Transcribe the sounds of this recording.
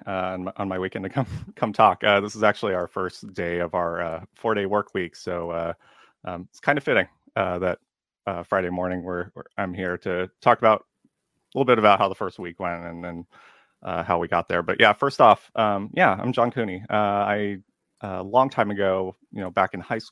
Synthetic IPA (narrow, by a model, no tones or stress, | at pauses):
ʌə̃nʔə̃n̩maɪwikɛ̃ntʰɨkʰʌ̃mkʰʌ̃mtʰɔkʌðɪsəzæk̚t͡ʃʉl̩ˠiaʊə˞fɜ˞sd̥eɪʌvaʊə˞ʌfɔɹɾeɪwɜ˞kʰwiksoʊʌ | ʔʌ̃mɪtskʰãɪ̃ndɨfɪɾɪ̃ŋ | ʌðɨt̚ | ʌfɹaɪɾeɪmɔɹnɪ̃ŋwə˞ãɪ̃mhiɹɾɨtʰɔkəbaʊɾ | lɪɾl̩ˠbɪɾɨbaʊt̚haʊðəfɜ˞st̚wikwɛ̃ntɨ̃nðɨ̃n | ʔʌ̰haʊwiɡɑ̰t̪̚ðə˞bʌʔjʔæfɜ˞stɔfʔʌ̃mjæã̰ɪ̃md͡ʒɑ̃nkʰʉ̃niʌaɪ | ʌlɔ̃ŋtʰãɪ̃mɨɡoʊ | jɨnoʊbækɨ̃n̩haɪs